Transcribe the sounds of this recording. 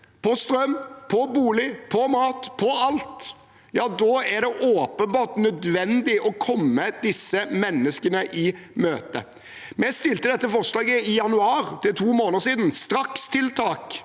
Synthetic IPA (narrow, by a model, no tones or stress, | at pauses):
pʰɔst̪ɾœmpʰɔbuːlɪpʰɔmɑːt̪pʰɔɑlt̪ | jɑːd̪oːæɾɖ̪ɛʔoːpənbɑːt̪nœd̪ʋɛnd̪ɪʔɔkʰɔmːəd̪ɪsːəmɛnːəskənəʔɪmøːt̪ə̰ | mɛst̪ɪlt̪əd̪ɛt̪ːəfɔʁslɑːɡəɪjɑnʉɑːɾd̪ɪt̪ʰuːmoːnəsiːd̪n̩st̪ɾɑkst̪ʰɪlt̪ʰɑːk